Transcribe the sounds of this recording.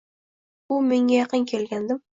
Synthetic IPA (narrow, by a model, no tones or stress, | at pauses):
ʊmeŋʲajɑqəŋkʲʰelɡʲand̪ɪm